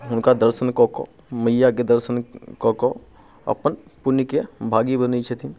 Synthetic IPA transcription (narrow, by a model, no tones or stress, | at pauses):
ɦʊnkad̪əɾsənkɔko̰ | mɐijaked̪əɾsənkɔko | ɐ̰pənpʊnikebʱaːɡibənit͡ʃʰɛt̪ʰi